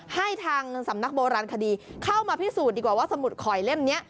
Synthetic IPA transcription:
ha˥˩jt̪ʰaː˧ŋsa˩˦mna˦˥k̚boː˧ɾaː˧nkʰa˧diː˧kʰa˥˩wmaː˧pʰi˦˥˩suː˨˩t̪̚diː˧˩kwaː˨˩waː˥˩sa˧mu˨˩t̪̚kʰɔː˨˩jle˦˥˩mni˦˥ɐʔ

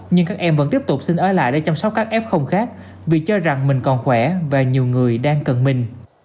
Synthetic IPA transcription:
ɲɨ˧ŋkaː˦˥k̚ʔɛ˧mvə̰˧˥nt̪i˦˥əp̚t̪ʊ˨˩k͡p̚sï˧nʔəː˧˩la̰ː˧˨jɗe˧˥˦t͡ɕɔ˧wŋ͡msə˦˥w̚kːaː˦˥k̚ʔɛ˦˥p̚xə˧wŋ͡mxaː˦˥k̚ | vi˨˩t͡ɕɔ˧za˨˩ŋmï˨˩ŋ̟kɔ˨˩nxwɛ˧˩vaː˨˩ɲi˨˩əwŋɨ˨˩əjɗaː˧ŋkə˨˩nmï˨˩ŋ̟

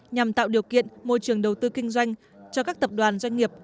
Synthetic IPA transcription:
ɲa˨˩mt̪a̰ː˧˨wɗi˨˩əwkḭ˧˨ənmo̰˧jt͡ɕɨ˨˩əŋɗə˨˩wt̪ɨ˧kï˧ŋ̟zwa˧jŋ̟ | t͡ɕɔ˧kaː˦˥k̚t̪ə˨˩p̚ɗwaː˨˩nzwa˧jŋ̟ŋi˨˩əp̚

